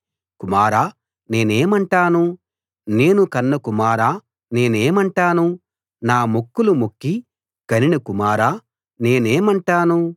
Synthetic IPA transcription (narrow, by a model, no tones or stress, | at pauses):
kumaːɾaː | ne̞ːneːmɐɳʈaːnu | ne̞ːnukɐnːɐkumaːɾaː | ne̞ːneːmɐɳʈaːnu | naːmokːulumokːi | kɐninɐkumaːɾaː | ne̞ːneːmɐɳʈaːnu